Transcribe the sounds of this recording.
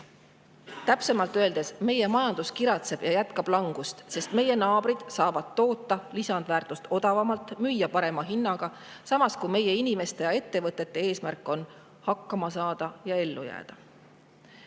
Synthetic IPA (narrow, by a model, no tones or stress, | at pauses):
t̪æpse̞mɑlt̪ˑøe̞ld̪e̞sme̞je̞mɑjɑnd̪̥uskiɾɑt̪se̞b̥jɑjæt̪kɑb̥lɑŋɡ̥ust̪se̞st̪me̞je̞nɑːb̥ɾid̪̥sɑːvɑd̪̥ːo̞ːt̪ːɑlisɑnd̪̥væːrt̪ˑust̪o̞d̪̥ɑvɑmɑlt̪ːˑmyjːɑpɑɾe̞mɑɦinːɑɡ̥ɑ | sɑmɑskume̞je̞inime̞st̪e̞jɑe̞t̪ːe̞vɤt̪ːˑe̞t̪ːe̞e̞ːsmærkːˑo̞n | hɑkːɑmɑsɑːd̪̥ɑjɑe̞lːujæ̰ːd̪̥ɑ